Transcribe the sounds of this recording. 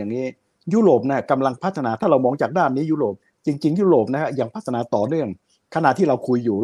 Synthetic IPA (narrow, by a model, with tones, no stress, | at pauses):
aː˨˩ŋniː˦˥ | ju˦˥ɾoː˨˩p̚na˦˥˩ka˧mla˧ŋpʰa˦˥t̪ʰa˧naː˧t̪ʰaː˥˩ɾa˧wmɔː˧ŋt͡ɕaː˨˩k̚daː˥˩nːiː˦˥ju˦˥ɾoː˨˩p̚ | t͡ɕi˧ŋt͡ɕi˧ŋjuː˦˥ɾoː˨˩p̚na˦˥kʰa˦˥p̚jaː˧ŋpʰa˦˥t̪ʰa˧naː˧˦t̪ɔː˨˩nɯ˥˩əŋ | kʰa˧na˨˩t̪ʰiː˥˩ɾa˧wkʰu˧jːuː˨˩